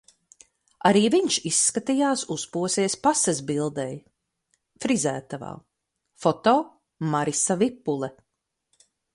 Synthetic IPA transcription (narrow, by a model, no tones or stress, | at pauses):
aɾiːviɲʃisːkat̪ijaːsuspuɔsiɛspasɛzbilˠd̪ɛj | fɾizæːt̪ava̰ː | fɔt̪ɔː | maɾisavipːulˠɛ